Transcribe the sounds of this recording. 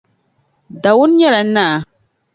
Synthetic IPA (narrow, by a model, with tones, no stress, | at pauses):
da˨wʊ˦n˦ɲɛ˦la˨˦na˦˨